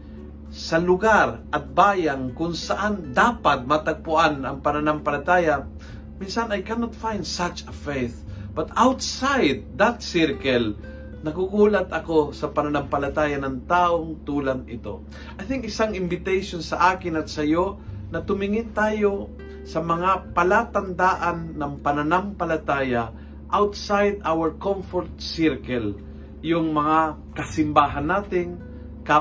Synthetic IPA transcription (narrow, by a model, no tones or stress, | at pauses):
sɐlʊɡaɾʔɐt̪̚baːjaŋkʊŋsɐʔand̪aːpat̪̚mat̪ɐɡ̚pʊʔanɐŋpɐnɐnɐmpɐlat̪aːja | minsɐnajkanot̪fajnd̪sat͡ʃɐfejθ | b̥ɐt̪awt̪sajd̪̚ːat̪sɛɾkɛl | nɐkukuːlat̪ɐkosɐpɐnanɐmpɐlat̪aːjanɐŋt̪aːʔoŋt̪uːlaŋɪ̰t̪o̞̰ | ʔajθɪŋkɪsaŋɪmbɪt̪ɛjʃonsɐʔaːkɪnɐt̪̚sɐjonɐt̪ʊmɪŋɪnt̪aːjo̞ | sɐmɐŋapɐlat̪ɐnd̪aːʔɐnːɐŋpɐnɐnɐmpɐlɐt̪aːjɐ | ʔawt̪sajd̪ʔawɛɹkomfoɾt̪̚sɪɾkɐl | jʊŋmɐŋa | kɐsɪmbaːɦɐnːaːt̪ɪŋ | ka